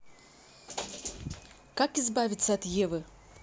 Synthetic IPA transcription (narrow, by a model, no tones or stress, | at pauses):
kakizbavʲit̪sːɐɐt̪jɛvɨ